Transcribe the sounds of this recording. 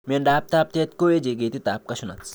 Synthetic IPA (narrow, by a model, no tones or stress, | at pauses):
mieɳɖaːp̚t̪aːp̚t̪et̪koed͡ʒeɡet̪it̪aːp̚kɐʃunɐt͡s